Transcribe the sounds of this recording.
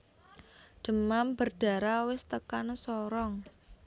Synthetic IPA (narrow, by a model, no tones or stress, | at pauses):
ɖ̪̥ə̤mamb̥ə̤rɖ̥a̤ɾawɪst̪əkansɔɾɔŋ